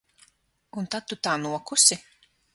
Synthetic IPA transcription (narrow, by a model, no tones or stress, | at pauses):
unt̪ad̪̚t̪ut̪aːnuɔkusi